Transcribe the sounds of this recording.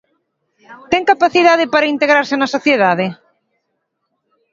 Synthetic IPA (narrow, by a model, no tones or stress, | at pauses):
t̪ɛŋkapaθiðaðɪpaɾaint̪eɣɾaɾsɪnɐsoθjeðaðɪ